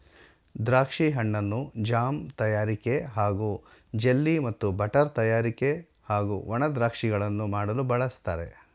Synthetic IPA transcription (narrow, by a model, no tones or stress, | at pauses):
d̪ɾaːkʂiɦɐɳːɐnːud͡ʒaːmt̪ɐjaːɾike̞ɦaːɡu | d͡ʒelːimɐt̪ːubɐʈɐɾt̪ɐjaːɾike̞ | haːɡuʋɐɳɐd̪ɾaːkʂiɡɐɭɐnːumaːɽɐlubɐɭɐst̪aːɾe̞̰